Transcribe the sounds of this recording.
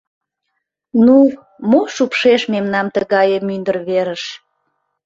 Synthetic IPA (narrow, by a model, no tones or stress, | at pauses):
nu | moʃupʃeʃmemnɑmt̪əɣɑjəmynd̪ərβeɾəʃ